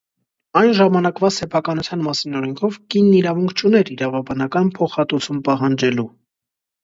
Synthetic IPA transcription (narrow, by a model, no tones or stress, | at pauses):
ɑjnʒɑmɑnɑkvɑsɛpʰɑkɑnut͡sʰjɑnmɑsinɔɾɛŋkʰɔvkinːiɾɑvuŋkʰt͡ʃʰunɛɾiɾɑvɑbɑnɑkɑnpʰɔχɑt̪ut͡sʰumpɑɦɑnd͡ʒɛlu